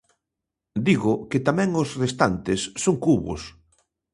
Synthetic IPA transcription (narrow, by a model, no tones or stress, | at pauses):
d̪iɣʊkɪt̪amɛ̃ŋosrest̪ant̪esːoŋkuβʊ̰s